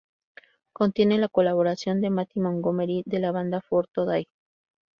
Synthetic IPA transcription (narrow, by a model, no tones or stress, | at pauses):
ko̞nt̪je̞nelako̞laβo̞ɾasjo̞nd̪e̞mat̪imoŋɡomeɾiðe̞laβand̪afoɾt̪oðaj